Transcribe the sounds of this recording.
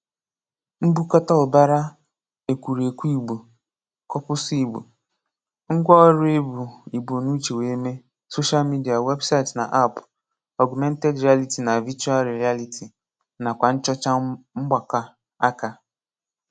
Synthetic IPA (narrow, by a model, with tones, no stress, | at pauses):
m̩˦bu˦kɔ˦ta˦ʊ˨ba˦ɾa˦ | e˨kʷu˨ɾe˨kʷu˦i˨ɡ͡bu˨ | kɔ˦pʊ˦si˨bṵ˨ | ŋ̩˦ɡʷɔ˦ɾe˦bu˨i˨bo˨nu˦t͡ʃe˨we˨˦me˦ | so˦ʃa˦lmi˦di˨a˨we˦bsa˦ɪ˨tna˨ʔa˦˨p | ɔ˨ɡmɛ˦n̩˦te˦dɾi˨a˦li˦ti˨na˨vi˦t͡ʃu˦a˦ɾi˨ɾi˨˦a˦li˦tʰi˨ | na˨kʷa˨n̩˦t͡ʃɔ˦t͡ʃa˦ŋ͡m̩˦ɡ͡ba˨ka˦ | a˦ka˦